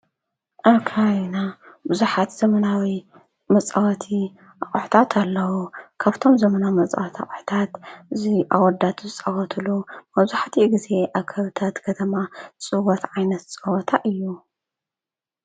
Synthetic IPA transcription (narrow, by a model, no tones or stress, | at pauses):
ʔaβkʰajna | bɨzuħat̪z̥ɐmɐnawi | mɐt͡sʼawɐt̪ʰi | ʔaχʼħu̥t̪ʰat̪ʰalːɐwukʰaβt̪ʰo̞mzɐmɐnamɐt͡sʼa̰wɐt̪ʰa̰χʼħt̪ʰat̪ɨziʔa̰wɔɾd̪at̪zɨt͡sʼɐwɐt̪ʰɨlumɐβzuħt̪ʰiɡize̞ʔaβkʰɐβɨt̪ʰat̪kʰɐt̪ʰɐmat͡sʼɨwɔt̪ʕajnɐt̪t͡sʼɨwɔt̪ʰaʔɨjːu